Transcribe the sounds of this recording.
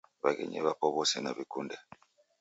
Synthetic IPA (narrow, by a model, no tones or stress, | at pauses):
βakɛ̰ɲɛβapɔβɔsɛnaβikundɛ